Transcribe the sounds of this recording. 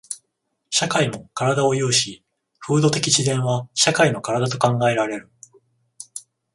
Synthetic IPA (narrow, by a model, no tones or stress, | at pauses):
ɕakaimo̞kaɾad̪ao̞jɯ̟ːɕi | ɸɯ̟ːd̪o̞t̪e̞kʲit͡ɕid̪ẽ̞ɰ̃βaɕakaino̞kaɾad̪at̪o̞kãŋɡae̞ɾaɾe̞ɾɯ̟